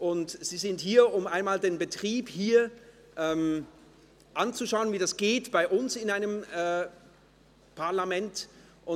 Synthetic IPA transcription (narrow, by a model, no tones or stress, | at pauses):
ʔʊntz̥iːzɪnthiːɐʔʊmaɪnmaːldeːnbətʁ̥iːphiːɐ | ʔɛːm | ʔant͡suʃaʊənviːdasɡ̥eːtb̥aɪʔʊnsɪnaɪnəmɛː | pʰaɐlamɛnt | ʔʊ